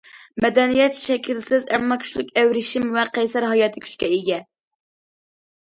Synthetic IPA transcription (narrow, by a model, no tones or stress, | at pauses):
mɛd̪ɛnijɛt̪ʃɛkʲʰilsɪzɛmːɑkʲʰy̥ʃlykʲɛwɾɪʃimwɛqʰɛjsɛɾɦɑjɑːt̪ʰɨkʲʰy̥t͡ʃkʲɛiɡʲɛ